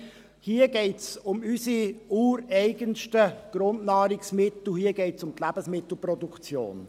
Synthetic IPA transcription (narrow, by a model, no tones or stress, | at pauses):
hiːəɡɛɪtsʊmysiuːɾɛɪɡənʃtəɡ̥ɾʊndnɑːɾiksmɪt̪l̩hiːəɡɛɪtsʊmt̪læb̥əsmɪt̪l̩ˠpɾɔdukt͡sjo̰ːn